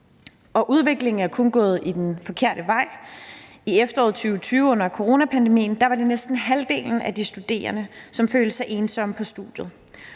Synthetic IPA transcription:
ɒ̽ʔuð̞ˠʋe̝ɡ̥le̝ŋn̩æɐkʰɔ̽nɡ̥ɔ̰̽ːð̞̩ˠid̥enfɒ̽kʰe̝ɐ̰ɾ̥əʋɑ̈ɪ̰ | iefd̥ɐɒ̰ːð̩ˠt͡sʰyːʊt͡sʰyːʊɔ̽n̰ɐkʰo̝ʁo̝næpʰænd̥e̝mḭːn̩d̥ɑ̈ʋɑ̈de̝nesd̥n̩ɦæld̥e̝̰ːln̩æd̥isd̥ud̥e̝̰ːɐnəsɒ̽mføːld̥əsɑ̈ɪʔe̝ːnsɒ̽m̰pʰɒ̽sd̥ud̥ˠjð̞̩ˠ

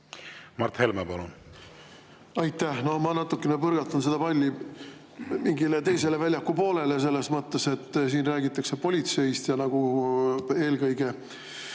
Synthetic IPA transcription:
mɑrt̪he̞lmepɑlṵn | ɑjt̪ˑːæhno̞mɑnɑt̪ːˑukːˑenepɤɾɡ̥ɑt̪ːˑunse̞d̪̥ɑpɑlʲːi | miŋɡile̞t̪e̞jse̞le̞vælʲjɑkːˑupo̞ːle̞le̞s̬e̞lːe̞smɤt̪ˑːe̞se̞t̪ˑːsiːnræːɡit̪ːˑɑkse̞po̞lʲit̪se̞jst̪jɑnɑɡ̥u | e̞ːlkɤjɡ̥e̞

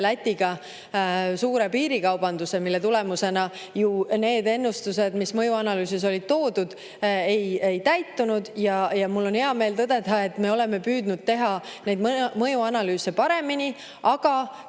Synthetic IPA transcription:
læt̪ʲːˑiɡ̥ɑ | suːɾe̞piːɾikɑwb̥ɑnd̪use̞milːe̞t̪ule̞muse̞nɑ | june̞ːd̪e̞nːust̪use̞d̪mismɤjuɑnɑlyːs̬iso̞lʲid̪̚t̪o̞ːd̪ud̪̥ | e̞je̞jt̪æjt̪ːunud̪̥jɑjɑmulːo̞nhe̞ɑme̞ːlt̪ɤd̪e̞t̪ɦɑe̞t̪ːˑme̞ole̞mːe̞pyːd̪̥nud̪̥̚t̪e̞ɦɑnejd̪mmɤjuɑnɑlyːsepɑɾe̞mini | ɑɡ̥ɑ

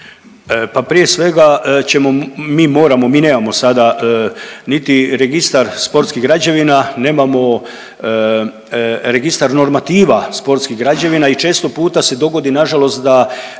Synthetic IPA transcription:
papɾije̞sʋe̞ɡat͡ɕe̞mo̞miːmo̞ːɾamo̞miːne̞ːmamo̞sad̪a | nit̪iɾe̞ɡist̪aɾspo̞ɾt̪skiɣɡɾad͡ʑe̞ʋinane̞ːmamo̞ | ɾe̞ɡist̪aɾno̞ɾmat̪iːʋaspo̞ɾt̪skiɣɡɾad͡ʑeʋinait͡ʃe̞ːst̪o̞puːt̪ase̞d̪o̞ɡo̞d̪inaʒalo̞st̪d̪a

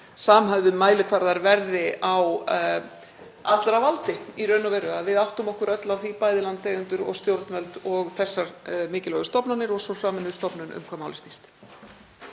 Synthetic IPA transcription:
saːmɦaðʏmːaːjlɪkʰvaɾðaɾvɛɾðɪaw | at̪lɾavalt̪ɪirœɥnʏvɛjɾʏaðvɪðawht̪ʏmɔhkʏɾœt̪lawθipaːjðɪlant̪ːeːjɣʏnt̪ʏɾɔ̰ɣst̪jowɾt̪nmɛlt̪ɔɣθɛsːaɾmɪːcɪlœɣʏst̪ɔpnanɪɾɔɣsɔsaːmɪnʏst̪ɔpnʏnʏ̰mkʰama̰ːwlɪst̪nist̪

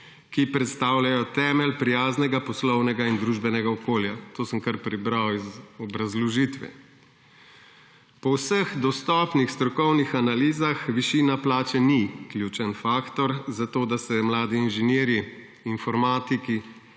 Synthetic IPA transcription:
kipɾɛt̪st̪aːwlʲjajɔt̪ɛːmɛlpɾijaːznɛɡapɔslɔwnɛɡaind̪ɾuːʒbɛnɛɡaɔkoːljat̪oːsəmkɐɾpɾibɾawizɔbɾazlɔʒit̪ʋɛ̰ | pɔwsəxd̪ɔst̪ɔpnixst̪ɾɔkɔwnixanaliːzaxʋiʃiːnaplaːt͡ʃɛniklʲjut͡ʃənfaːkt̪ɔɾzat̪oːd̪asɛmlaːd̪iːnʒɛneːɾiː | nfɔɾmaːt̪iki

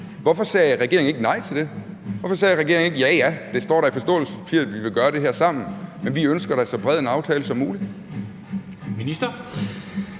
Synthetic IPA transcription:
ʋɒfɒ̽sɛːʁɛɡ̥e̝ɐeŋne̝ɡ̥ənɑ̈ɪ̰t͡sʰe̝ld̥e̝ | ʋɒfɒ̽sɛːɐʁɛɡe̝ɐŋeɡ̥əjæjæd̥e̝sd̥ɒ̰ːɾɑ̈ifɒ̽sd̥ɔ̰̽ːl̩sə̥pʰḭɐæʋiʋe̝ɡ̥ɶːɐde̝ɦeɐ̰sɑ̈m̰n̩menʋiønsɡ̥ɐɾ̥esɒ̽b̥ʁɛðˠenɑ̈ʊt͡sʰɛːləsɒ̽muːli̥ | minisd̥ɐ

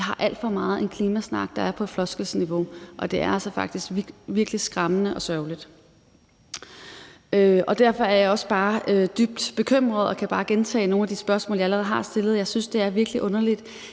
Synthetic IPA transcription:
ɦɑ̈ʔæl̰d̥fɒ̽mɑ̈ːð̞̩ˠʔe̝nkʰliːmæsnɑ̈ɡ̥̚d̥ɑ̈æɐpʰɒ̥flɒ̽sɡ̥əsniʋo̝ʔɒ̽d̥e̝æɐælsɒfɑ̈ɡ̥d̥isɡ̥ʋʋiɐɡ̥lisɡ̥ʁɑ̈mənəʔɒ̽sɶɐʊlid̥ | øʔɒ̽d̥æɐfɒ̽æɐjɑ̈ɒ̽səb̥ɑ̈ːød̥yb̥̚d̥b̥e̝kʰøm̰ʁɐð̞̩ˠɒ̽kʰæb̥ɑ̈ːɡ̥ent͡sʰɛ̰ːno̝ːnæd̥isb̥ɶɐsmɔ̰̽ːljɑæləʁɛð̩ˠɦɑ̈sd̥e̝ləð̩ˠjɑ̈ɪsynsd̥e̝æɐʋiɐɡ̥liʔɔ̽nɐlid̥

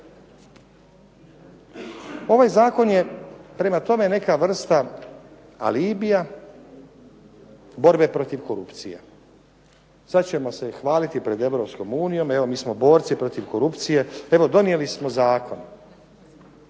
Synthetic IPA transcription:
o̞ʋaːjzaːko̞nje̞pɾe̞mat̪o̞me̞nekaʋr̩st̪a | a̰liːbija | bo̞ɾbe̞pɾo̞t̪iʋko̞ɾṵpt̪sijḛ | sat͡ɕe̞mo̞se̞xʋaːlit̪ipɾe̞d̪e̞ʋɾopsko̞muːnijo̞me̞ʋo̞miːsmo̞bo̞ːɾt̪sipɾo̞t̪iʋko̞ɾupt̪sije̞e̞ʋo̞d̪o̞nie̞lismo̞zaːkʰo̞n

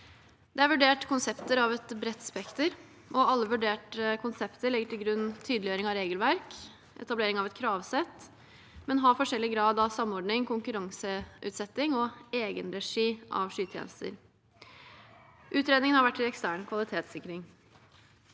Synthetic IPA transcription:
d̪̥ɛæɾʋʉɖeːʈkʰʊnsɛpt̪əɾɑʋɛt̪bɾɛt̪ːspɛkt̪əɾ | ʔɔɑlːəʋʉɖeːʈkʰʊnsɛpt̪əɾɭɪɡːəʈʰɪlɡɾʉnːt̪ʰyːd̪lɪjøːɾɪŋɑʋɾeːɡəlʋæɾk | ʔɛ̰t̪ɑbleːɾɪŋɑʋɛt̪kʰɾɑːʋsɛt̪ː | mɛnɦɑɾfɔʂɛlːɪɡɾɑːd̪ɑsɑmːɔɖɳɪŋkʰʊŋkʉɾɑŋsəʔʉ̰ːt̪sɛt̪ːɪŋɔeːɡənɾɛʂiːʔɑ̰ʋʂyːt̪ʰjḛːnəst̪ə̰ɾ | ʔʉːt̪ɾeːd̪ɪŋəhɑɾʋæʈʰːɪlɛkst̪æːɳkʰʋɑlɪt̪ʰeːt̪sɪkːɾɪŋ

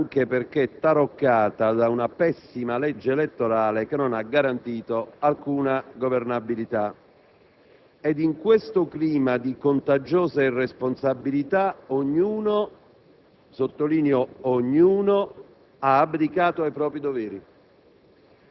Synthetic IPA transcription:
aŋk̟eperk̟et̪ːaɾokːaːt̪ad̪aunapɛsːimalɛd͡ʒːeːlet̪ːoɾaːlekenːonaɡːaɾant̪iːt̪oalkuːnaɡovernabilit̪a | ɛd̪iŋkwest̪ʊkliːmad̪ikont̪ad͡ʒːoːzeiresponsabːilit̪aoɲːuːno | sot̪ːoliːnjooɲːuːno | aːbːd̪ikaːt̪oajpɾɔːpɾid̪ovɛːɾi

